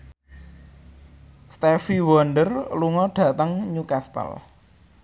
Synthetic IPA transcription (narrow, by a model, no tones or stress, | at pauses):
st̪efiwɔnɖərluŋɔɖ̥ä̤t̪əŋɲukast̪ə̰l